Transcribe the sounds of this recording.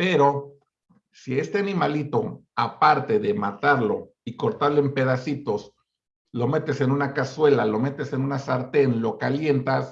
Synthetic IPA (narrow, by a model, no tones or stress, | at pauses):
pe̞ɾo̞ | sie̞st̪e̞animalit̪o̞ | apaɾt̪e̞ðe̞mat̪aɾlo̞̰ | iko̞ɾt̪aɾloe̞mpe̞ðasit̪o̞s | lo̞me̞t̪e̞se̞nunakaswe̞lalo̞me̞t̪e̞se̞nunasaɾt̪e̞nlo̞kalje̞nt̪as